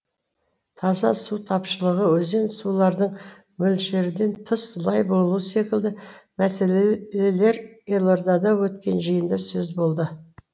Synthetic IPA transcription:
t̪ʰɑzɑsut̪ʰɑpʃəlˠəʁəwɵze̞nsulˠɑɾd̪əɴ | mɵlʃe̞ɾɪd̪e̞nt̪ʰəslˠɑjbo̞lˠuəse̞kʲɪld̪ɪmæse̞le̞le̞ɾelˠoɾd̪ɑd̪ɑwɵt̪kʲe̞nʒəjənd̪ɑsɵzbo̞lˠd̪ə

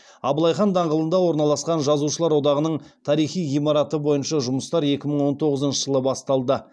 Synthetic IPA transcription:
ɑbəlˠɑjχɑnd̪ɑɴʁəlˠənd̪ɑwo̞ɾnɑlˠɑsqɑnʒɑzuʃəlˠɑɾwo̞d̪ɑʁənəɴt̪ʰɑɾijχijijmɑɾɑt̪əbo̞jənʃɑʒʊməst̪ɑɾe̞kʲɪməɴwo̞nt̪ʰo̞ʁəzənʃəʒəlˠəbɑst̪ɑlˠd̪ə

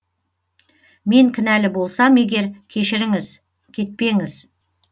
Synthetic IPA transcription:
me̞ŋkʲʰɪnælɪbo̞lˠsɑme̞ɡʲe̞ɾkʲʰe̞ʃɪɾɪŋɪz | kʲʰe̞t̪̚pe̞ŋɪz

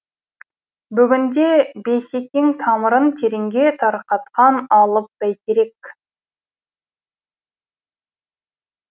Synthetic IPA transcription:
bʏɡʲɪnd̪e̞be̞se̞kʲeŋt̪ʰɑməɾənt̪ʰeɾeŋɡʲe̞t̪ʰɑɾqɑt̪qɑnɑlˠəp̚b̥æjt̪eɾe̞k

